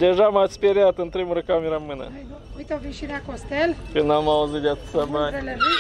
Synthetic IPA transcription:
d̪eʒamat̪sʲpʲeɾjat̪ɨnt̪ɾemuɾəkamʲeɾamɨnə̰ | ujt̪oviʃiɾeakost̪elkɨnd̪amauzɨt̪d̪ʲat̪sabael

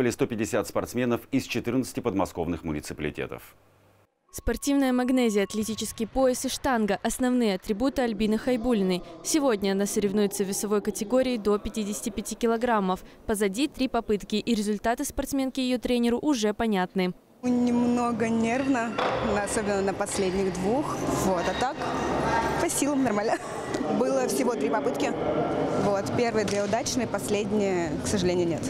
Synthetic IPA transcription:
vəlʲɪst̪opʲɪdʲɪsʲat̪spɐrt̪smʲenəfɪst͡ɕɪt̪ɨrnət̪sɨ̥tʲɪpəd̪mɐsko̞̰vnɨxmʊnʲɪt̪sɨpəlʲɪ̰tʲḛt̪ə̰f | spɐrtʲivnəjəmɐɡnɛzʲɪjəɐt̪lʲɪtʲit͡ɕɪskʲɪjpo̞ɪsɨʂt̪anɡəʔɐsnɐvnɨjəɐt̪ɾʲɪbut̪ɨɐlʲbʲinɨxɐjbulʲɪnɨjsʲɪvodʲnʲəɐnasəɾʲɪvnujʊt̪səvʲɪsɐvo̞jkətʲɪɡo̞ɾʲɪːd̪o̞pʲɪtʲidʲɪsʲɪ̥tʲɪpʲɪtʲikʲɪlˠɐɡɾamːəfpəzɐdʲit̪ɾʲipɐpɨt̪kʲɪʔiɾʲɪzʊlʲt̪at̪ɨspɐrt̪smʲe̞nkʲɪjɪjot̪ɾʲenʲɪɾʊʔʊʐɛpɐnʲat̪nɨ | nʲɪmnoɡənʲervnənɐso̞bʲɪnːənəpɐsʲlʲedʲnʲɪɣd̪vuxvo̞t̪ɐt̪ːak | pɐsʲilˠəmnɐrmalʲnə | bɨlˠəfsʲɪvo̞t̪ɾʲipɐpɨt̪kʲɪ | vot̪pʲe̞rvɨjəd̪vʲeʊd̪at͡ɕnɨjəpɐsʲlʲedʲnʲɪjəksəʐɨlʲenʲɪjʊnʲe̞t̪

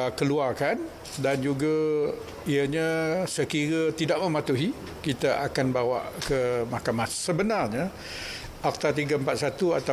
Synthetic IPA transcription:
kəluarkan | dand͡ʒuɡa | iəɲə̃səkiɾət̪idaʔmə̃mat̪uɦi | kit̪aʔa̰kanbawa̰ʔkəmahkamahsəbənarɲə | ʔak̚t̪art̪̬iɡəəmpat̪̚sat̪ua̰t̪a

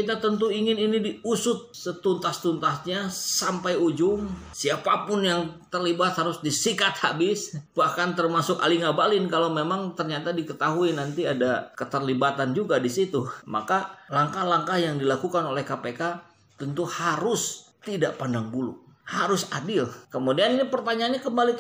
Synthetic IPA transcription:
kit̪at̪ənt̪uiŋɪninidiusʊt̪̚sət̪unt̪ast̪unt̪asɲasampajud͡ʒʊmsiapapʊnjaŋt̪ərlibat̪haɾʊsdisikat̪̚habɪsbahkant̪ərmasʊka̰liŋabalɪnkalawmemaŋt̪ərɲat̪adikət̪aɦuinant̪iadakət̪ərlibat̪and͡ʒuɡadisit̪uma̰kalaŋkahlaŋkahjaŋdilakukanolɛhkapeka | t̪ənt̪uhaɾʊst̪idaʔpandaŋbulṵhaɾʊsadɪlkəmudianinipərt̪aɲaːnɲakəmbali

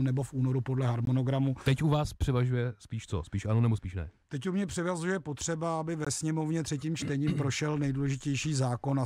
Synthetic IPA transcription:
nɛbo̞fʔuːno̞ɾupo̞dlɛɦaɾmono̞ɡɾamut̪ɛcuvaːspr̥ɪvaʒujɛspiːʃt͡so̰spiːʃʔanonɛbospiːʃnɛ̰t̪ɛcumɲɛpr̥ɪvazuʒjɛpo̞t̪r̝̥ɛbaabɪvɛsɲɛmo̞vɲɛt̪r̥ɛciːmt͡ʃt̪ɛɲiːmpɾo̞ʃɛlnɛjduːlɛʒɪcɛjʃiːzaːko̞na

